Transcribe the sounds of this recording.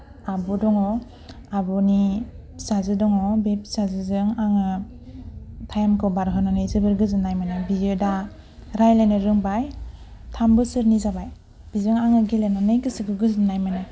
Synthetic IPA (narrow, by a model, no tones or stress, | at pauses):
abudɔŋɔ | abɔni | sazɯdɔŋɔbepsazɯzɯŋaŋɯ | tʰajmkʰɯbaɾɦɯnanɯjzɯbɯɾɡɯzɯnːajmanɯbidioda | ɾajlanɯɾɯŋbaj | tʰambɯsɯɾnizabaj | b̥izɯŋaŋɯɡelenanɯjɡɯsɯɡɯɡɯzɯnajmanɯ